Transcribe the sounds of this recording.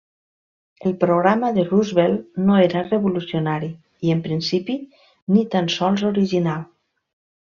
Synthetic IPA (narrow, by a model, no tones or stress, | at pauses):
əlˠpɾoɣɾaməðəruzβelˠnoeɾəreβulusionaɾi | iəmpɾinsipi | nit̪ansɔlˠzoɾiʒinalˠ